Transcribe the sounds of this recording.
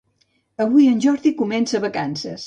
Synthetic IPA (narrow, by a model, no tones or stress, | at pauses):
əβujənʲʒɔɾðikumɛnsəβəkansəs